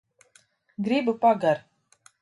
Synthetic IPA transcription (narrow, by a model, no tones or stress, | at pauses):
ɡɾibupaɡaɾ